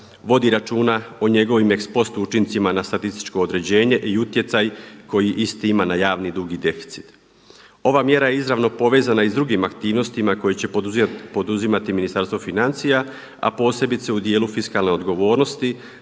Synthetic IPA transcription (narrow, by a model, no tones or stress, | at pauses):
ʋo̞d̪iɾat͡ʃuːnaoɲe̞ɡo̞ʋimekspo̞st̪uut͡ʃint̪simanast̪at̪ist̪i̥t͡ʃko̞ːd̪ɾe̞d͡ʑe̞ːɲe̞ʔiut̪je̞t̪sajko̞jiʔist̪iimanajaːʋnid̪ɾuɡid̪e̞fi̥t̪si̥t̪ | o̞ʋamje̞ɾaje̞izɾaʋno̞po̞ʋe̞ːzanaizd̪ɾuɡimakt̪iːʋno̞st̪imako̞jet͡ɕe̞po̞d̪uzimat̪iminist̪aɾst̪ʋofinant̪sija | a̰po̞ːse̞bit̪se̞ud̪je̞ːlufiskalˠne̞o̞d̪ɡo̞ʋo̞ːɾno̞st̪i